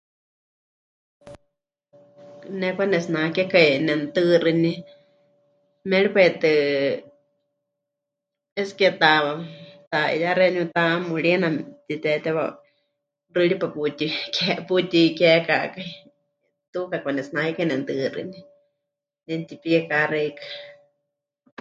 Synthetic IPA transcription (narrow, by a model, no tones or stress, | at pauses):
nɛkʷanɛsnãkɛkainɛnt̪ɨrɨni | mɛɺipait̪ɨ | ɛskɛt̪awat̪aḭjaɾɛɲũt̪amuɺiɛnamt̪it̪ɛt̪ɛwa | rɨɺipaput̪ikɛput̪ikɛkakai | t̪ukakʷanɛsnahikainɛnt̪ɨrɨ̰ni | nɛnt̪ipiɛkarɛikḁ